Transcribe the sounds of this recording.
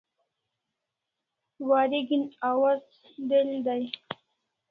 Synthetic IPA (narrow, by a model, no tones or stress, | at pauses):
waːɾiɡinawaz | d̪eld̪aj